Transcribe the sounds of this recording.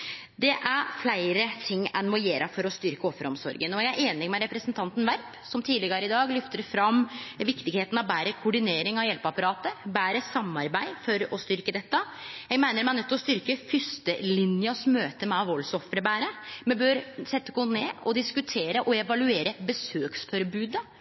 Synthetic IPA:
d̪ɛʔæɾflæɪɾət̪ʰɪŋːɛnmɔjeːɾɑfɔɾɔst̪ʏɾkəɔfːɾəɔmsɔ̰ɾɡənɔjææɾʔeːnɪmɛɾɛpɾəsənt̪ʰɑnt̪n̩ʋæɾp | sɔmt̪ʰiːd̪lɪɡɑɾəɪd̪ɑːɡlʏft̪əɾfɾɑmʋɪkt̪ɪɡheːt̪ənɑʋbæːɾəkʰʊɖɪneːɾɪŋɑʋjɛlpɑpɑɾɑːt̪əbæːɾəsɑmːɑɾbæɪfɔɾɔst̪ʏɾkəd̪ɛt̪ːə | jæɪɡmæɪnəɾmɛæɳœt̪ːɔst̪ʏɾkəfʏst̪əlɪnjɑsmøːt̪əmɛɑʋɔlːsɔfɾəbæːɾəmɛbøɾsɛt̪ːəkuneːɔd̪ɪskʉt̪ʰeːɾəʔɔɛʋɑlʉeːɾəbəsøːksfɔɾəbʉːd̪ə

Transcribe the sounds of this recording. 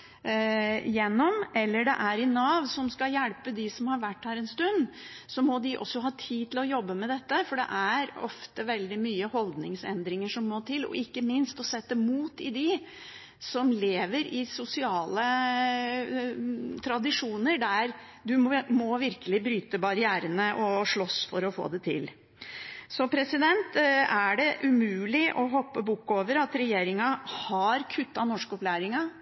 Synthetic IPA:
jɛnːɔmʔɛlːəɖɛ̰ʔæɾɪnːɑːʋsɔmskɑjælpəd̪ɪsɔmhɑɾʋæʈːhæːɾɛnst̪ʉnːsɔmɔd̪ɪʔɔ̰sːɔɦɑːt̪ʰiːd̪t̪ʰɪlɔjɔbːəmɛd̪ɛt̪ːəfɔɖɛ̰ʔæɾɔ̰ft̪əʋɛld̪ɪmyːəhɔld̪nɪŋsɛ̰nd̪ɾɪŋəʂɔmːɔːt̪ʰɪlɔ̰ʔɪkːəmɪnst̪ɔsɛt̪ːəmuːt̪ɪd̪ɪ | sɔmleːʋəɾɪsʊsɪɑːlə | t̪ʰɾɑd̪ɪʂuːnəɾɖ̪æɾ | d̪ʉmɔʋɪɾkəlɪbɾyːt̪əbɑɾɪæːɾənəʔɔʂɭɔsfɔɾɔfo̰ːd̪ɛt̪ʰɪ̰l | sɔpʰɾɛsɪd̪ɛnt̪æɖɛʔʉmʉːlɪʔɔɦɔpːəbʊkːoːʋəɾɑt̪ɾɛjeːɾɪŋɑhɑɾkʰʉt̪ːɑnɔʂkɔplæːɾɪŋɑ

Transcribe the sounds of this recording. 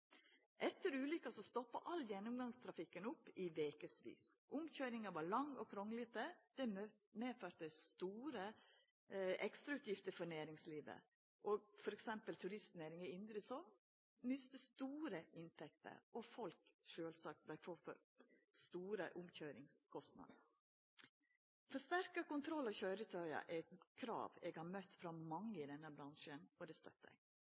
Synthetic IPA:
ʔɛt̪ːəɾʉːlʏkːəsɔst̪ɔpːɑ̰ʔɑlːjɛnːʊmɡɑŋst̪ʰɾɑfɪkːənʊpːɪʋeːkəsʋḭːsʔʊmçøːɾɪŋɑʋɑɾlɑŋːɔkʰɾɔŋəlɪt̪əd̪̥ɛ | meːføːɾt̪əst̪uːɾə | ʔɛkst̪ɾɑʉːt̪ʰjɪft̪əɾfɔnæːɾɪŋsliːʋə̰ | ʔɔɡfɔɾɛksɛmpəlt̪ʰʉɾɪst̪neːɾɪŋəɪnd̪ɾəsɔ | nʏst̪əst̪uːɾəɪnt̪ʰɛk̚t̪ə̰ɾʔɔfɔlkʂøːlsɑːk̚t̪̚blæɪfoːfɔ̰ɾ | st̪uːɾə̰ʔʊmçøːɾɪŋskʰɔst̪nɑ̰d̪ | fɔʂt̪æɾkɑkʊnt̪ʰɾɔlːɑçœʏɾət̪ʰœʏɑ̰ʔæt̪kʰɾɑ̰ːʋeɡhɑɾmœt̪ːfɾɑmɑŋːəɪd̪ɛnːəbɾɑnʂənɔd̪ɛst̪œ̰t̪ːə̰

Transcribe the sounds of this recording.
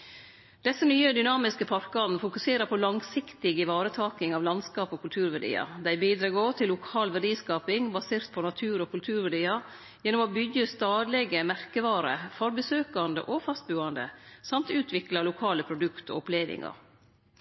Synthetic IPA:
d̪̥ɛsːənyːəd̪ʏnɑːmɪskəpʰɑɾkɑnn̩fʊkʉseːɾəpʰɔlɑŋsɪkt̪ɪɡɪʋɑːɾət̪ʰɑːkɪŋɑːʋlɑnskɑːpoːkʰʉlt̪ʰʉːɾʋæɖḭːɑ̰d̪æɪbiːd̪ɾɑɡoːt̪ʰɪlːʊkʰɑːlʋæɖiːskɑːpɪŋbɑseːɾt̪pʰɔnɑt̪ʰʉːɾɔːkʰʉlt̪ʰʉːɾʋæɖiːɑ | jɛnːɔmoːbʏɡːəst̪ɑːd̪lɛɡəmæɾkəʋɑːɾə̰fɔɾbəsøːkɑnd̪ə̰ʔofɑst̪̚bʉːɑnd̪ə̰sɑmt̪ʉːt̪ʰʋɪklɑlʊkʰɑːləpʰɾʊd̪ʉkt̪o̰ːɔpleːʋɪ̰ŋɑ̰ɾ

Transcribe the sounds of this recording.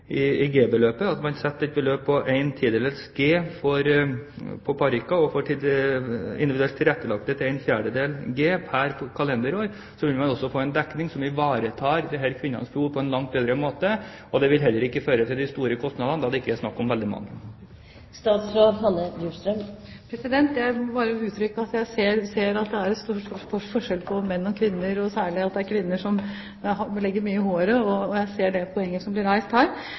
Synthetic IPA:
ʔɪɪɡeːbəløːpəɑt̪mɑnsɛt̪ːɛt̪̚bəløːpːʰɔʔæɪnt̪ʰiːd̪ɛləsɡeːfɔɾ | pʰɔpʰɑɾɪkːɑɔfɔʈɪ | ɪ̰nd̪ʋɪd̪ʉɛlt̪ʰːɪlɾɛt̪ːəlɑk̚t̪ət̪ʰɪlæɪnfjæːɖəd̪eːlɡeːpʰæɾpʰɔkʰɑlɛnd̪əɾoːɾ | sɔʋɪlmɛnɔsːɔfoːæɪnd̪ɛknɪŋsɔmɪʋɑːɾət̪ʰɑːɾd̪ɛɦæɾkʰʋɪnːɑ̰nsfɾuːɾpʰɔɛnlɑŋt̪̚beːd̪ɾəmoːt̪ə | ɔd̪ɛʋɪlɦɛlːəɾɪkːəføːɾət̪ʰɪld̪ɪst̪uːɾəkʰɔst̪nɑd̪ɑnd̪ɑd̪ɛɪkːəæsnɑkːɔmʋɛld̪ɪmɑ̰ŋːə | st̪ɑːd̪sɾoɾɦɑnːəjʉst̪ɾəmpʰɾɛsɪd̪ɛnt̪jæɪmɔbɑːɾəʉːt̪ʰɾʏkːəɑt̪jæɪseːɾseːɾɑt̪̚d̪ɛæɾɛt̪st̪uʂt̪uʂfɔʂɛlpʰɔmɛnːɔkʰʋɪnːəɾɔsæːɭɪɑt̪̚d̪ɛæɾkʰʋɪnːəʂɔm | ɦɑlɛɡːəmyːəɪhoːɾəɔːjæɪseːɖɛpʰɔɛŋːəʂɔmblɪɾæɪst̪hæːɾ

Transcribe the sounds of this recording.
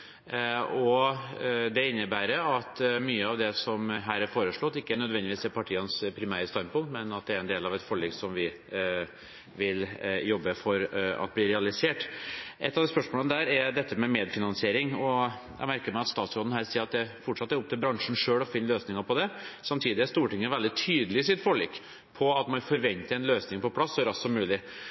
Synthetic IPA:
ɔ | d̪ɛɪnːəbæːɾəɑt̪myːəɑʋd̪ɛsɔmɦæːɾæɾfoːɾəʂɭɔt̪ːɪkːənœd̪ʋɛnd̪ɪʋiːsɛɾpʰɑʈʰiːənspʰɾɪmæːɾəst̪ɑnpʰʊŋmɛnɑt̪̚d̪ɛæɾɛnd̪eːlɑʋɛt̪fɔɭɛːɡsɔmʋɪ | ʋɪljɔbːəfɔɾɑ̰t̪̚blɪːɾɛɑlɪseːʈʔɛ̰t̪ːɑʋd̪ɛːspœʂmoːləəd̪æːɾɛɾd̪ɛt̪ːəmɛmeːd̪fɪnɑnsɪeːɾɪŋɔ | jɛ̰ɪmæɾkəɾmɛæɪɑt̪st̪ɑːt̪sɾoːd̪nhæːɾsiːɾɑt̪̚d̪ɛfɔʈʂɑt̪ːəɾʊp̚t̪ʰɪlbɾɑŋʂn̩ʂøːɽɔfɪnːəløːsnɪŋəɾpʰɔd̪ɛsɑmt̪ʰiːd̪ɪæst̪uːʈɪŋːəɾʋɛld̪ɪt̪ʰyːd̪əlɪsɪt̪fɔɭiːk | pʰɔɑt̪mɑnfɔɾʋɛnt̪əɾɛnløːsnɪŋpʰɔpʰlɑsːɔɾɑssɔmːʉːlɪ

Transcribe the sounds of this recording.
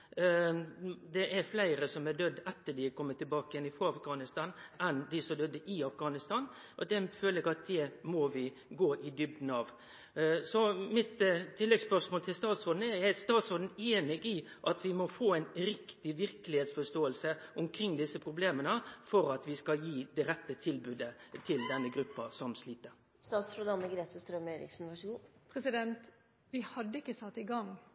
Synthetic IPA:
d̪ɛʔæɾflæɪɾəsɔmɛd̪œd̪ːɛt̪ːəɖɪɛkʰɔmːət̪ʰːɪlbɑːkəjɛnɪfɾoːɑfɡɑːnɪst̪ɑːnʔɛnd̪ɪsɔmd̪œd̪ːəʔɪɑfɡɑːnɪst̪ɑːn | ʔɔd̪ɛføːləɾɛɡɑt̪̚d̪ɛmɔʋɪ | ɡoːʔɪd̪ʏb̚d̪n̩ɑːʋ | sɔmɪt̪t̪ʰːɪlːɛɡspœʂmoːlt̪ʰɪlst̪ɑːt̪sɾoːd̪n̩ɛɾɛɾst̪ɑːt̪sɾoːd̪n̩eːnɪɡɪʔɑt̪ʋɪmɔfoːæɪnɾɪkt̪ɪʋɪɾkəlɪheːt̪sfɔʂt̪oːəlsəʔʊmkʰɾɪŋd̪ɪsːəpʰɾʊbleːmənəfɔɾɑt̪ʋɪskɑljiːd̪ɛɾɛt̪ːət̪ʰɪlbʉːd̪ət̪ʰɪld̪ɛnːəɡɾʉpːɑsɔmsliːt̪əɾ | st̪ɑːt̪sɾʊd̪ɑnːəɡɾeːt̪əst̪ɾœmœʏɾɪ̰ksʊnɪʋæʂuːnpʰɾɛsɪd̪ɛnt̪ | ʋɪhɑd̪ːəɪkːəsɑt̪ːɪɡɑŋ

